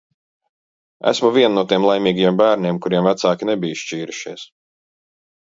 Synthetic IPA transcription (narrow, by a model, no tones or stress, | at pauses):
æ̰smuvʲiɛnnuɔt̪iɛmlˠajmʲiːɡajɛmbæːɾniɛmkuɾiɛmvæt̪saːkʲinebijʃt͡ʃiːɾuʃḭːs